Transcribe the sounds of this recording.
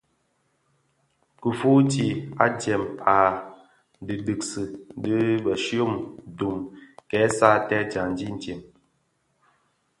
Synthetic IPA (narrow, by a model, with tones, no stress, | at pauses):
ku˨fu˦ti˨a̰˦tɛ˨ma˨ | dɨ˨dɨ˨k̚sɨ˨˦dɨ˦bə˨ʃo˦˨mdu˨mkɛ˨˦sa˦tɛ˦d͡ʒa˨n̩˦di˦n̩˨tje˨m